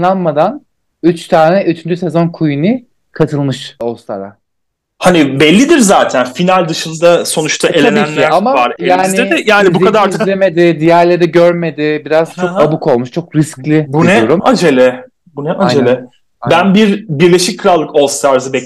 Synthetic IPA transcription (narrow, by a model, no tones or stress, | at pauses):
lˠanmad̪an | yt͡ʃt̪ʰaːnɛʔyt͡ʃʰynd͡ʒyse̞zo̞nkʰujunɯ | kʰat̪ʰɯlˠmɯʃost̪ʰa̰ɾa̰ | hanibɛlʲːid̪iɾzaːt̪ʰænfinalʲd̪ɯʃɯnd̪aso̞nut͡ʃt̪ʰaʔelʲaniːænlamavaɾejaːnɛjaːnibukad̪aɾzlʲeme̞d̪ɪd̪ijæɾlʲe̞ɾɛɟøɾme̞d̪ɪbiɾaz̥t͡ʃʰo̞kabuko̞lˠmuʃt͡ʃʰo̞kɾisclʲibunɛoɾumad͡ʒelʲɛ | bunɛʔad͡ʒelʲɛ | bænbiɾbiɾlʲe̞ʃic̚ʲkʰɯɾalˠːɯkolˠst̪ʰaɾzɯbɛ